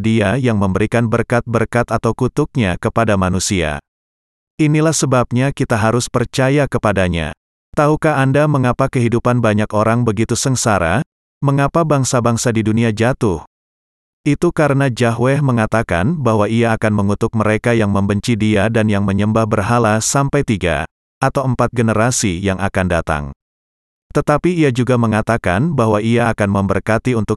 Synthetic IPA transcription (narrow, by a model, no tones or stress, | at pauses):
diajaŋməmbəɾikanbərkat̪̚bərkat̪at̪awkut̪ʊk̚ɲakəpadamanusia̰ | ʔinilahsəbap̚ɲakit̪aɦaɾʊspərt͡ʃajakəpadaɲa̰ | t̪aɦukaɦandaməŋapakəɦidupanbaɲakoɾaŋbəɡit̪usəŋsaɾa̰ | məŋapabaŋsabaŋsadiduniad͡ʒat̪ʊh | ʔit̪ukaɾənad͡ʒaɦwɛhməŋat̪aka̰nbaɦwaiaːkanməŋut̪ʊk̚məɾekajaŋməmbəɲt͡ʃidiadanjaŋməɲəmbahbərɦalasampajt̪iɡa̰ | ʔat̪awəmpat̪̚ɡənəɾasijaŋakandat̪a̰ŋ | t̪ət̪apiːad͡ʒuɡaməŋat̪aka̰nbaɦwaʔiaːkanməmbərkat̪iunt̪ʊk̚